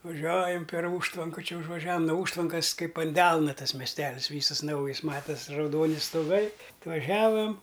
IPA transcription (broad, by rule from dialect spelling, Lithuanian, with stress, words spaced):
ʋɐˈʒʲuɔjɛm pʲɛr ˈuːʃtʋɐŋkɐ t͡ʃʲɛ ʊʒʋɐˈʒʲæːʋɐm noː ˈuːʃtʋɐŋkɐs ˈkɐɪp ɐn ˈdʲɛlˠnɐ ˈtɐs mʲɛsʲˈtʲæːlʲɪsʲˈʋʲiːsɐs ˈnɐʊjɪs ˈmɑːtɐsʲ rɐʊˈdoːnʲɪ stoːˈɡɐɪ ɐtʋɐˈʒʲæːʋɐm